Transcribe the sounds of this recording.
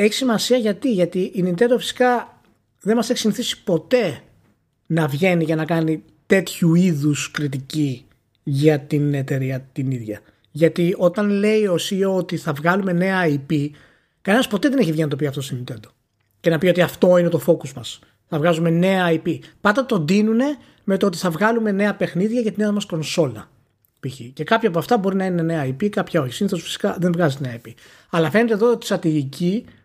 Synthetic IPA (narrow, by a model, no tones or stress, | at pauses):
e̞çi̥simɐsiɐʝɐt̪iʝɐt̪iʔːnint̪e̞nd̪ofi̥si̥kɐ | ðe̞nmɐse̞çisiniθisi̥po̞t̪e̞ | nɐvʝe̞niʝɐnɐkɐni | t̪e̞t̪çuiðuskɾit̪̬ici | ʝɐt̪ine̞t̪e̞ɾiɐt̪iniðʝɐ | ʝɐt̪io̞t̪ɐnle̞io̞sioot̪iθɐvɣɐlume̞ne̞ɐipi | kɐne̞nɐspo̞t̪e̞ðe̞neçivʝinɐt̪o̞p̬iɐft̪o̞stemint̪e̞nd̪o̞ | ce̞nɐpio̞t̪iɐft̪o̞ine̞t̪o̞fo̞kozmɐs | θɐvɣɐzume̞ne̞ɐipipɐnd̪ɐt̪o̞nd̪inune̞ | me̞t̪oot̪̬i̥θɐvɣɐlume̞ne̞ɐpe̞xniðʝɐcɐt̪ineɐmɐsko̞nso̞lɐ̰ | piçice̞kɐpçoɐp̬oɐft̪ɐbo̞ɾinɐine̞ne̞ɐipikɐpçɐo̞çisiniθosfi̥si̥kɐðe̞nvɣɐzet̪eneɐipi | ɐlɐfe̞ne̞t̪e̞ðoot̪i̥st̪ɾɐt̪iʝici